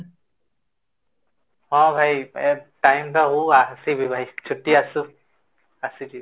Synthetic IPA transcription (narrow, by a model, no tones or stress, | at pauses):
hɔ̃bʱajtajmtaɦuasibʱibʱajt͡ʃʰutːiasu | asidi